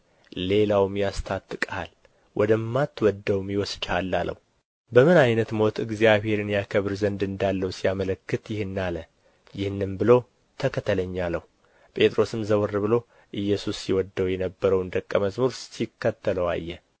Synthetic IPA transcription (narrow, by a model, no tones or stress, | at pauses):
le̞lawmjast̪ʰat̪ʼːɨkʼal | wʔɔd̪əmːat̪ːwɔd̪ːəwmjɪwɔsd͡ʒalːalə̰w | bəmɨnajnət̪mo̞t̪ʰɨɡzijaβhe̞ɾɨnjakʰəβɨɾzənd̪ɨnd̪alːəwsijamələkːɨt̪jɪhɨnːalə | jɪhnːɨmbɨlo̞ | t̪ʰəkʰət̪ʰələɲːalːəw | pʼe̞t̪ʼɾo̞sɨmzəwɨrːɨbɨlo̞ | ʔɨjːɛsusːiwɔd̪ːəwjɛnəbːəɾəwɨnd̪əkʼːəməzmuɾsikːət̪ʰːələwa̰jːɛ